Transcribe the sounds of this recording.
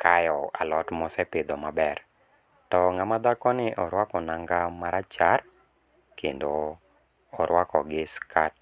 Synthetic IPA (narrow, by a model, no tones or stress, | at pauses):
kʰajɔa̰lɔtmɔsɛpɪd̪ɔmabɛr | tɔŋamad̪akɔnɪʔɔɾwakɔnaŋɡamaɾat͡ʃar | kʰendoː | ɾwakɔɡɪskʰat̚